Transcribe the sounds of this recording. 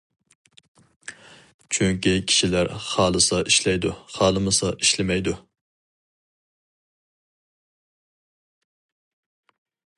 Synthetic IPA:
t͡ʃʰyŋkʲikʲʰi̥ʃilæɾχɑːlˠɨsɑʔiʃlɛjd̪uχɑːlˠɨmɨsɑʔiʃlɪmɛjd̪u

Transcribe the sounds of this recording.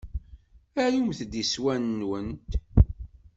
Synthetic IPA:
æjumθd̪iswænːwənt̪

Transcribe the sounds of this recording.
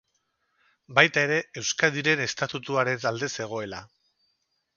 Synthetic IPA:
bajt̪ae̞ɾe̞e̞wskaðiɾe̞ne̞st̪at̪ut̪uaɾe̞nald̪e̞se̞ɣ̞o̞e̞la

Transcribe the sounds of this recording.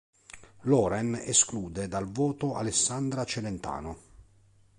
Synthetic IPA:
lɔːɾɛnḛskluːd̪ed̪alvɔːt̪oa̰lesːand̪ɾat͡ʃelent̪a̰ːno

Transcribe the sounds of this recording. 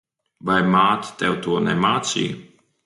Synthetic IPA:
vajmaːt̪t̪ɛwt̪uɔnɛmaːt̪sḭː

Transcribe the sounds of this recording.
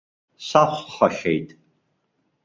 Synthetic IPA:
saːχʷħɐʃejtʼ

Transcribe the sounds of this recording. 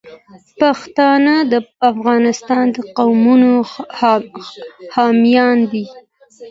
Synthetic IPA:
paxt̪ɑnad̪əafɣɑnɪst̪ɑnd̪əqawmuno | hɑmjɑnd̪i

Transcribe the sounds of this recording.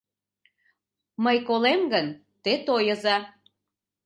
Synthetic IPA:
məjkolemɡən | t̪et̪ojəzɑ

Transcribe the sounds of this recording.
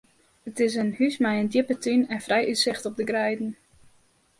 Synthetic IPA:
ətɪs̬ənhysmɛjəndjɪpətʰynɛnfrɛjʔytsɪxtɔb̚dəɡrɛjdn̩

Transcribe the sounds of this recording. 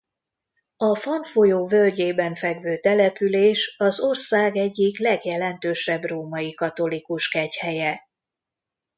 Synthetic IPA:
ɒfɒnfojoːvø̞lɟeːbɛɱfɛɡvøːt̪ɛlɛpyleːʃɒzo̞rsaːɡɛɟːiklɛɡjɛlɛnt̪øːʃɛbroːmɒjikɒt̪o̞likuʃkɛchɛjɛ

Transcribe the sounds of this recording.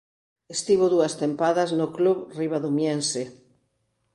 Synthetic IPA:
est̪iβoðuɐst̪empaðɐznokluβriβ̞aðumjense

